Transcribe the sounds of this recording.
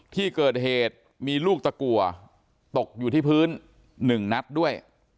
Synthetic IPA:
pʰiː˥˩kɤː˨˩t̪̚ɦeː˨˩t̪̚ | miː˧luː˥˩k̚t̪a˧ku˨˩ɐ | t̪o˨˩k̚juː˨˩t̪ʰiː˥˩pʰɯː˦˥nː | ɯ˨˩ŋna˦˥t̪̚du˥˩əj

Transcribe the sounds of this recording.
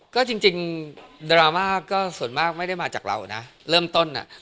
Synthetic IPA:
kɔː˥˩t͡ɕi˧ŋt͡ɕi˧ŋdɾaː˧maː˥˩kɔː˥˩su˨˩ənmaː˥˩k̚ma˥˩jda˥˩jmaː˧t͡ɕaː˨˩k̚ɾa̰˧wna̰˦˥ɾɤː˥˩mt̪o˥˩nʔa̰˨˩ʔ

